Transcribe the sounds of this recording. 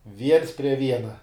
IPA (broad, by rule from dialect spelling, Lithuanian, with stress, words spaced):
ʋʲiɛns pʲrʲiɛ ˈʋʲiɛnɐ